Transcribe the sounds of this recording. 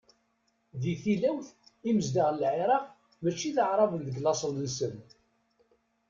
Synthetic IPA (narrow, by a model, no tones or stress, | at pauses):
ðiθilæwθiməzd̪aʁlʕɪɾˤɑʁ | mæt͡ʃːiθəʕɾˤɑvənðəɡlɑsˤəllsən